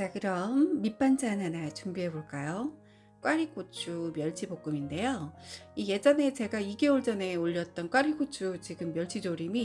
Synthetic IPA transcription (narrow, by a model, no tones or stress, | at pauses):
t͡ɕakɯɾʌmːip͈and͡ʑananat͡ɕumbiɦe̞boɭk͈ajo | k͈waɾik͈ot͡ɕʰumjʌɭt͡ɕʰibok͈ɯminde̞joije̞d͡ʑʌne̞t͡ɕe̞ɡaiɡe̞oɭd͡ʑʌne̞oʎːʌt̚t͈ʌnkwaɾik͈ʰot͡ɕʰut͡ɕiɡɯmːjʌɭt͡ɕ͈ʰid͡ʑoɾimi